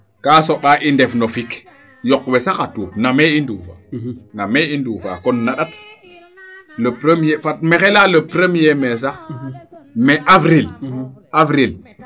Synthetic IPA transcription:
kasoɓaʔindefnofik | jɔkwesaxatuːpnameinduːfa̰nameinduːfa̰kɔnːaɗat | lopɾəmjefat̚mexelaləpɾemjemes̬a | meʔavɾilavɾil

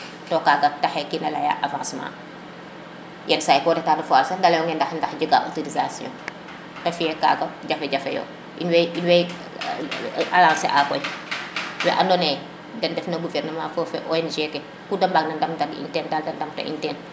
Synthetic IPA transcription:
tɔːkaɡɐtɐxɛkinɐlɐja̰ʔavãːsmã̰ː | jɛnsaːjkɔːdɛtaːndɐfɔalsɐndɐlɐjɔŋɡɛndɐxndɐxɟəɡa̰ʔo̰toɾizasijɔ̰̃ː | tɛfijɛka̰ːɡɐɟɐfɛɟɐfɛ̰jɔ̰ | ʔinwɛinwɛj | alãːsɛ̰ʔakɔj | wɛ̰ʔɐndɔnɛː | dɐndɛfnɐɡuvɛrnɐmãːfɔfɛʔɔjɛnʒɛkɛ | kudɐmbaknɐndɐmdɐḭntɛːndaldɐndɐmtɐ̰ʔḭntɛːn

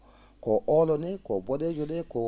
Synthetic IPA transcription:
kɔɔlɔnekɔbɔded͡ʒonekɔ

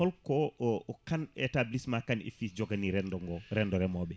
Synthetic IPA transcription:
ɔlkɔɔkanɛ̰tablismakanḛfid͡ʒɔɡaniɾɛndɔŋɡɔɾɛndɔɾɛmɔɓɛ

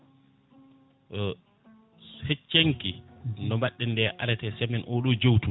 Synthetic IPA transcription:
het͡ʃːeŋkindɔmbaɗːɛndɛʔa̰lɛtɛsɛmɛnʔɔɗɔd͡ʒowtu

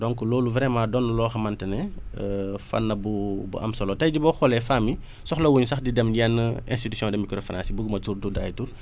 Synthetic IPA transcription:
dɔŋkulɔːluvɾɛmãːdɔnːlɔːxɐmɐntɛnɛ | fɐ̰nːɐbubṵʔɐ̰msɐlɔtɐjdibɔxɔlɛfaːmi | sɔxlɐwuɲsɐxdidɛmjɛnːəɛ̰nstitusjɔ̃ndɛmikɾɔfɾã̰nsibuɡmɐtuɾtuda̰jtuɾ

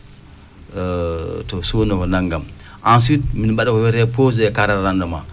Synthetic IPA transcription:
tɔsunɔkɔnaŋɡam | ʔans̬it̚minɓaɗakɔwɛɾɛpozɛkaɾaɾandama

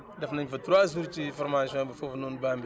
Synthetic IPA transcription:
dafnaɲfɐtɾaz̬uɾt͡ʃifoɾmaʃõbafofnunbambi

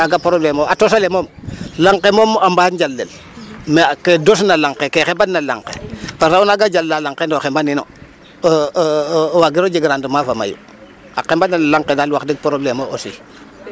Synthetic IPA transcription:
aɡapɾoblemoatosalemomlaŋkemomambaːd͡ʒalːel | mekedosnalaŋqekexebannala̰ŋkḛpasaunaɡad͡ʒalːalaŋkendoxembanino̰ | waɡiɾod͡ʒiɡɾandəmafama̰jṵ | akembaninlaŋqedalwakdiɡ̚pɾoblemoʔosḭ

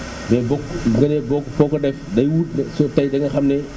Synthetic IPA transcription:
bɛbɔkɡɐnɛbɔkːpɔːkːɔdɛfdɐjwuːt̚nsɔtɐjdɐŋɐxɐmnɛ

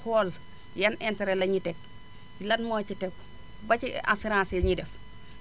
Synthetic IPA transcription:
hɔːl | jɐnʔɛntɛɾɛlɐɲitɛk̚ | lɐtmɔːcitɛk̚ | bɐcia̰siɾãːsɛɲidɛf

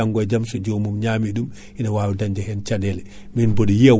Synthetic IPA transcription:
aŋɡɔjd͡ʒamsɔd͡ʒomumɲaːmiɗum | ʔinawaːwidaɲd͡ʒɛhɛnt͡ʃadɛlɛ | minboɗijia

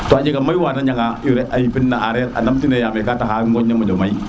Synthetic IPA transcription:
toad͡ʒiɡamajwaːnaɲaŋajuɾɛajipinːaʔaɾɛɾa̰namtinejamɛkataɦaŋɡɔɲːamɔd͡ʒɔmai

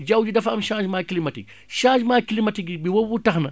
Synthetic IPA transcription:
d͡ʒawd͡ʒidɐfɐmʃãːd͡ʒmakilimatḭk̚ | ʃãːd͡ʒmakilimatiɡibiwobutɐxnɐ

